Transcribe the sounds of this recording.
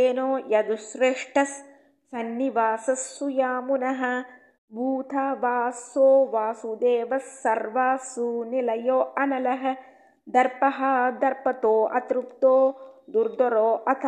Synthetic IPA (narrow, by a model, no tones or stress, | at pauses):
eːnoːjɐd̪usɾeːʂʈɐsː | ɐnːiʋaːsɐsːujaːmunɐɦɐ̆ | bʱuːt̪ʰɐʋaːsoːʋaːsud̪eːʋɐsːɐɾʋaːsunilɐjoːʔɐnɐlɐɦɐ̆ | d̪ɐɾpɐɦɐd̪ɐɾpɐt̪oːʔɐ̰t̪ɾup̚t̪oːd̪uɾd̪ɔɾoːʔɐt̪ʰɐ